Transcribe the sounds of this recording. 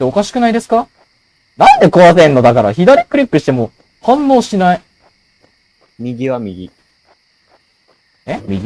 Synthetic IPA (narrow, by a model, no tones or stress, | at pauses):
eo̞kaɕi̥kɯ̟naid̪e̞sɨ̥ka | nãnd̪e̞koβasẽ̞nːo̞d̪akaɾa̰çid̪aɾʲikɯ̟ɾʲikːɯ̟ɕi̥t̪e̞mo̞ | hãnːo̞ːɕinai | mʲiɡʲiβamʲiɡʲi | emʲi